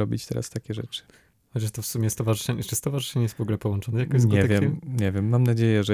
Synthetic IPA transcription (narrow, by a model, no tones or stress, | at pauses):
ɔbʲit͡ɕt̪ɛɾa̰st̪akʲɛʐɛ̰t͡ʂɨ̥ | xɔt͡ɕaʂt̪ɔfsumʲjɛst̪ɔvaʐɨʂɛɲɛt͡ʂɨst̪ɔvaʐɨʂɛɲɛjɛst̪vɔɡulɛpɔwɔnt͡ʂɔnɛjakɔjsɲɡɛavʲjkɛmɛɲɛvʲjɛmːamnad͡ʑejɛʐɛ